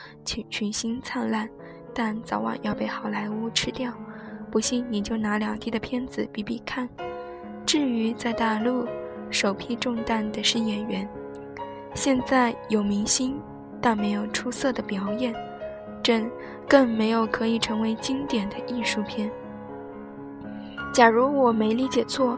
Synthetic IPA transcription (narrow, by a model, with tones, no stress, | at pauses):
t͡ɕʰy˧˥t͡ɕʰy˧˥˩nɕi˥nt͡sʰa˥˧nla˥˩n | t̪a˥˩nt͡sɑ˧˥ʊwɑ̰˨˩ŋjɑ˥˧ʊpe˥˩ɪxɑ˨˩ʊla˧˥ɪu˥ʈ͡ʂʰɻ̩˥t̪jɑ˥˩ʊpu˧˥ɕi˥˩ŋni˨˩t͡ɕjo˥˩ʊna˧˥ljɑ˨˩ŋt̪ʰi˥d̪ə˩pʰjɛ˥nd͡zɹ̩˨˩pi˥˩pi˥˩kʰa˥˩n | ʈ͡ʂɻ̩˥˩y˧˥t͡sa˥˧ɪt̪a˥˧lu˥˩ʂo˨˩ʊpʰi˥˧ʈ͡ʂʊ˥˧ŋt̪a˥˩nd̪ə˩ʂɻ̩˥˩jɛ˨˩nɥɛ˧˥n | ɕjɛ˥˧nt͡sa˥˩ɪjo˨˩ʊmi˧˥ŋɕi˥n | t̪a˥˧nme˧˥ɪjo˨˩ʊʈ͡ʂʰu˥sɤ˥˩d̪ə˩pjɑ˨˩˥ʊjɛ˥˩n | ʈ͡ʂə˥˧n | kɤ˥˩ŋme˧˥ɪjo˨˩ʊkʰɤ˧˥i˨˩ʈ͡ʂʰɤ˧˥ŋwe˧˥ɪt͡ɕi˥ŋt̪jɛ˨˩nd̪ə˦ʔi˥˧ʂu˥˧pʰjɛ˥˩n | t͡ɕja˨˩ɻu˧˥wɔ˨˩me˧˥ɪli˧˥t͡ɕjɛ˨˩t͡sʰwɔ˥˩